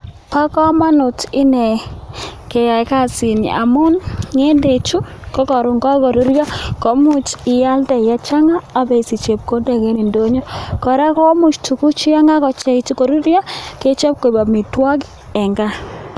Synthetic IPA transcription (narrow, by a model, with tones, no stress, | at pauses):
pa˦kɔ˦ma˦nʊ˨t͡ʃɪ˦nɛ˨ | ke˨ja˨ka˦˨sɪ˨n̰˨a̰˨mʊ˦nŋe˦nde˨t͡ʃu˦kɔ˦kɔ˨ɾʊ˨ŋɡɔ˦kɔ˨ɾu˦ɾjɔ˦ko˦mʊ˨t͡ʃɪ˨ja˦ltɛ˨ja˨t͡ʃa˦ŋaː˦˨be˨si˨t͡ʃe˨p̚ko˦dɛ˨kɛ˦ni˨ndo˦ɲo˦kɔ˨ɾa˦kɔ˦mʊ˨t͡ʃtu˨ku˦t͡ʃi˦a˦ŋa˦kɔ˨t͡ʃɛ˦i˨t͡ʃu˦ko˨ɾu˦ɾja˦ke˦t͡ʃe˦p̚ko˨ba˨mi˨twa˦ɡ | ɛ˨ŋɡa˦